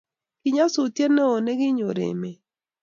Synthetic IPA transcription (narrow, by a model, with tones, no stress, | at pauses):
ki˨ɲa˦sʊ˨tje˦ne˦o˨ne˦ɡɪ˦ɲo˨ɾḛ˨me˨